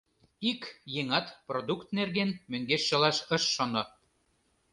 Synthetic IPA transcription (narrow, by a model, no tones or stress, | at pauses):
ikjeŋɑt̪prod̪ukt̪nerɣenmøŋɡeʃːɤ̆lɑʃə̆ʃːonŏ